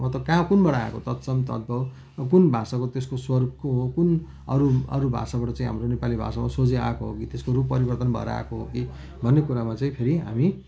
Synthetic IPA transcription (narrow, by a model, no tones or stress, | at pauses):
mʌt̪ʌkãkunbʌɽaa̰kot̪ʌt̪sʌmt̪ʌd̪̚bʱʌ | kunbʱasakot̪eskoswʌrbkoɦokun | ʌɾuʌ̰ɾubʱa̰sabaʈʌt͡saĩɦa̰mronepalibʱa̰samasod͡zea̰koɦo̰kit̪eskoɾupːʌɾibʌrt̪ʌnbʱʌ̰ḛɾa̰koɦoki | bʱʌnːekuɾamat͡saĩpʰeɾiɦa̰mi